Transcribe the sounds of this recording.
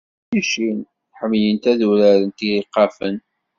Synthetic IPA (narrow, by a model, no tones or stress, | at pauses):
jiʃin | ħəmːjənt̪æðuɾæɾənt̪iɾiqːɑfən